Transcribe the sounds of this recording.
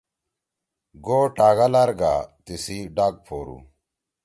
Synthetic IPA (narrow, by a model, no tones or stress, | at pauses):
ɡoːʈaːɡalaɾɡa̰t̪isiɖaːɡ̚pʰoːɾṵ